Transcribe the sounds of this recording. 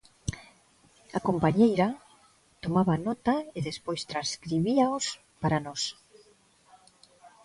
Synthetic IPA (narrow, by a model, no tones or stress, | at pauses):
akompaɲejɾa | t̪omaβanɔt̪aeðespojst̪ɾaskɾiβiaos | paɾanɔs